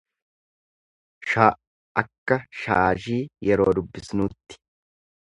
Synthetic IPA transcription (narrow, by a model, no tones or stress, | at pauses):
ʃa | ɐkːɐʃaːʒiːjɛɾoːd̪ʊbːɪsnuːt̪ːɪ̥